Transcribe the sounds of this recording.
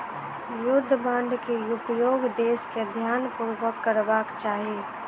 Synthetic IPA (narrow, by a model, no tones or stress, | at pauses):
jʊd̪ʱːbãːɳɖ̪kejʊpjoːɡd̪eːsked̪ʱjaːnpuɾʋəkːəɾbaːkt͡ʃaːɦie